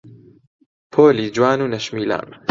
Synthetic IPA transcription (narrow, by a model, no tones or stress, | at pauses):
pʰoːliːd͡ʒwaːnuːnɐʃmiːla̰ːn